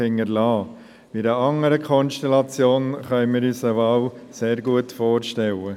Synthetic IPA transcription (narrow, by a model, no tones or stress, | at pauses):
ɪŋːəɾlɑː | ʋ̥idəʔɑŋəɾəkʰɔnʃtɛlɑt͡sjoːnχœʏmɪːɾyːsəʋɑwseːɾɡuətfoːɾʃtɛlə